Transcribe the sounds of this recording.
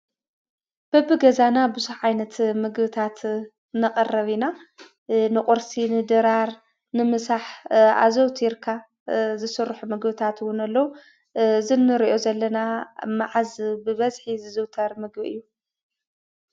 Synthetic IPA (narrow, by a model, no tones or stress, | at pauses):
b̥ɐbɨɡɐzanabɨzuħʕajnɐt̪mɨɡbɨt̪ʰat̪ | nɐqʼɐrɐβina | nɨkʼʊɾsinɨd̪ɨɾaɾ | nɨmɨsaħa̰zɐwt̪ʰiɾkʰa | zɨsɨrːħumɨɡbɨt̪ʰat̪ɨwʊnɐlːɐwu | zɨnːɨɾiʔo̞zɐlːɐnamaʕazbɨβɐzħizɨzɨwt̪ʰɐɾmɨɡbɨɨ̰jːu